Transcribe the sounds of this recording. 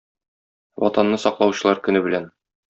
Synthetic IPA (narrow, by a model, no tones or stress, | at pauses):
wɒ̰t̪ɑnːɤsɒqlˠɑwɕɤ̆lˠɑɾkɵ̆nɘbɘ̆læn